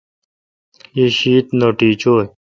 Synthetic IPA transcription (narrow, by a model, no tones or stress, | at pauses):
iɕiːt̪noʈiːt͡ɕoːj